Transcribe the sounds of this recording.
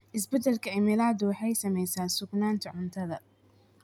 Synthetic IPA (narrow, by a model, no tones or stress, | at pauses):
ʔɪs̬bɛd̪ɛlkʰɐɪmɪlaːd̪ʊwɑħɑjsɐmɛjsaːnsʊɡnaːnt̪ʰɐʕʊnt̪ʰɐðɐ